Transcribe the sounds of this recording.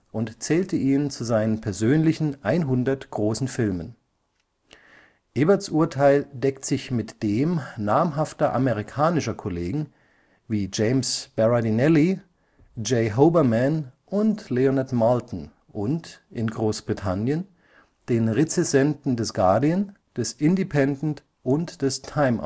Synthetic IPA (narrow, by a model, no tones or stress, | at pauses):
ʔʊntt͡sɛːltəʔiːnənt͡suzaɪnənpʰɛɐzøːnlɪçn̩ʔaɪnɦʊndɐtɡ̥ʁoːsn̩fɪlmən | ʔɛbɐtsʔuɐtʰaɪldɛktz̥ɪçmɪtd̥eːmnaːmɦaftɐʔa̰meʁikʰaːnɪʃɐkʰɔleːɡŋ̩ | viːd͡ʒeɪmsb̥ɛʁadinɛli | d͡ʒeɪɦoʊbɐmɛnʔʊntleonatmɔltn̩ | ʔʊntʔɪnɡʁoːsb̥ʁitʰanjən | d̥eːnʁet͡sɛzɛntn̩dɛsɡ̥aɐdiən | d̥ɛsʔɪndipʰɛndn̩t | ʔʊntd̥ɛstʰaɪmʔ